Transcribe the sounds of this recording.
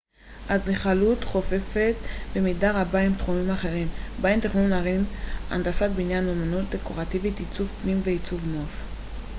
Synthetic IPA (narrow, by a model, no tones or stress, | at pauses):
aziχalutχo̞fe̞fe̞t̪bemidaʁabaimt̪χumimaχe̞ʁimbaimt̪iχnunaʁina̰nd̪asat̪̚binjanomanut̪̚d̪eko̞ʁativit̪it͡suvpnimveit͡suvnof